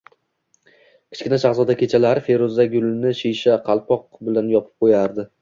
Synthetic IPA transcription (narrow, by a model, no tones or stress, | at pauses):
kʲʰɪ̥t͡ʃʲkʲɪnaʃaχzɒd̪akʲʰe̞t͡ʃʰalaɾɪfe̞ɾozaɡʲʊlnɪʃijʃaqʰɑlˠpɒq̚bɪlanjɒpʰɪ̥p̚qʰojaɾd̪ɪ